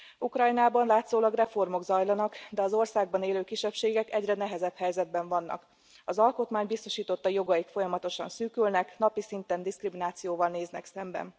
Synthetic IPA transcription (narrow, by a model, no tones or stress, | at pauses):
ukrɒjnaːbɒnlaːt̪zoːlɒɡrɛfo̞rmo̞ɡzɒjlɒnɒkd̪ɛɒzo̞rsaːɡ̚bɒneːløːkiʃːɛpʃeːɡɛkɛɟrɛnɛɦɛzɛphɛjzɛd̪̚bɛɱvɒnːɒ̰k | ɒzɒlko̞t̪maːɲbist̪o̞ʃiːt̪o̞t̪ːɒjo̞ɡɒjikfo̞jɒmɒt̪o̞ʃɒ̰nsyːkylnɛknɒpisint̪ɛnd̪iskriminaːt̪sijoːvɒlneːznɛksɛmbɛ̰n